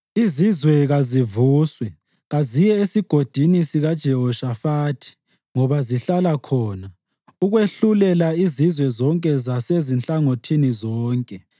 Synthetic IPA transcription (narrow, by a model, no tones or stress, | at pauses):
izizwɛɣazivuːswɛ | ɣazijɛesiɡ̥ʱod̥ʱinisiɣad̥ʒ̥ʱɛɦɔʃafaːtʰi̥ | ŋɔβaziɬalakʰɔːna | uɣweɬulɛlaizizwɛzɔŋkʼɛzasezint͡ɬʼaŋotʰinizɔːŋkʼɛ